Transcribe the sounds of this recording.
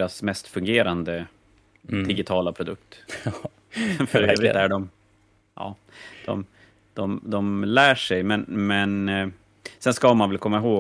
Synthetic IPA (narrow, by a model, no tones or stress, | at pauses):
ɾasmɛst̪fɵŋɡeːɾand̪ə | d̪ɪɡɪt̪ʰɑːlapʰɾʊd̪ɵk̚t̪ | fœɾøːvɾɪæɖɔm | ʔɑ̰ː | d̪̥ɔ̰m | d̪̥ɔmd̪ɔmlæːʂɛjmɛnmɛn | sɛnskamanvɛlkʰɔmːaɪɦoː